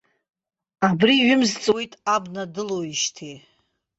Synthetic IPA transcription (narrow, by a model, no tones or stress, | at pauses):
abriɥɪmzt͡sʼwojtʼabnadɨlowiʃtʰi